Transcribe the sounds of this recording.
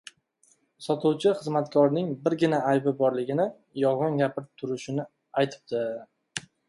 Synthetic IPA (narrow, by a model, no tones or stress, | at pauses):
sɒt̪ʰʊwt͡ʃʰɪχɨzmat̪kʲʰɒɾnɪŋbɪɾɡʲɪnaajbɪbɒɾlɪɡʲɪnɪ | jɒʁɑnɡʲapʰɪɾɪp̚t̪ʰʊɾɪʃɪnɪ | ajt̪ʰɪ̥p̚d̪ɪ